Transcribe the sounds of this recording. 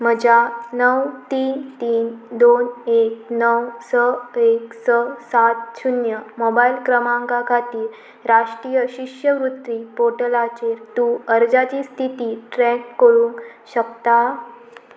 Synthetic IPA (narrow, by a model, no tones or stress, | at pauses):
məd͡ʑanəwt̪iːnt̪iːnd̪onek̚nəwsəeksəsat̪̚ɕunjəmobailkɾəmãŋkakʰat̪iːɾ | ɾaʂʈɾijəɕiʂjəʋɾut̪ɾiːpoʈəlat͡ɕeɾt̪uəɾd͡zat͡ɕiːst̪ʰit̪iːʈɾɛkːəɭũːŋkɕəkt̪a